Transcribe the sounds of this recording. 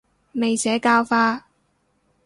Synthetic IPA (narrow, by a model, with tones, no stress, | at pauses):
me˨jsɛː˨˥kaː˥wfaː˥